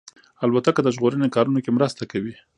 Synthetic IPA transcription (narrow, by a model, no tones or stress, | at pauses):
albat̪akəd̪əʒɣoɾənekɑɾunokemɾəst̪akawi